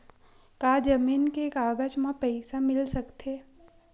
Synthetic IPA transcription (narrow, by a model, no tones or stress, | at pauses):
kaːd͡ʒəmiːnkeːkaːɡət͡ʃmãpəɪsamɪlsəkt̪ʰeː